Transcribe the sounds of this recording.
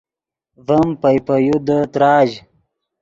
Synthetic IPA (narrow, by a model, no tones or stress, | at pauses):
vəmpɐjpəjud̪ət̪ɾɑːʑ